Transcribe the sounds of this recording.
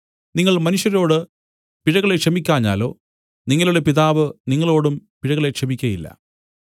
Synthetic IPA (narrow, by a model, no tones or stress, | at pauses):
niŋːɐɭmɐnuʂjɐɾo̞ːɽɨ | piɻɐɣɐɭekʂɐmikʲːaːɲːa̰ːlo̞ː | niŋːɐluɽe̞piðaːʋɨniŋːɐɭo̞ːɽumpiɻɐɣɐɭe̞kʂɐmikʲːɐjilːɐ̰